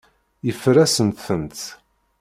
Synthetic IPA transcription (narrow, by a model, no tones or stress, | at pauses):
jəfɾæsənt̪ːənt̪